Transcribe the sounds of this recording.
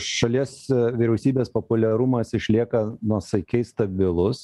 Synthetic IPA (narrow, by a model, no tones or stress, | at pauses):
ʃɐlʲiɛsʋʲiɾʲɛʊsʲiːbʲeːspopʊlʲɛɾʊmɐsɪʃʲlʲiɛkɐnuɔsɐɪkʲɛɪst̪ɐbʲɪlˠʊs